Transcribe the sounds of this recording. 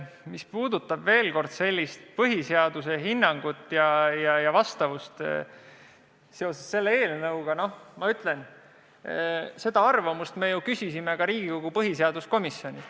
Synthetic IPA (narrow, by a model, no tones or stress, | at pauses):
mispuːd̪ut̪ːˑɑb̥ve̞ːlko̞rd̪̥se̞lʲːist̪pɤɦise̞ɑd̪̥use̞ɦinːɑŋɡ̥ut̪ːˑjɑjɑjɑvɑst̪ɑvust̪ | seo̞sesːe̞lːeeːlnɤuwɡ̥ɑno̞hmɑyt̪ˑle̞n | se̞d̪̥ɑɑrvɑmust̪me̞jukysisimeɡ̥ɑɾiːɡ̥iko̞ɡ̥upɤɦise̞ɑd̪usko̞misjo̞nʲi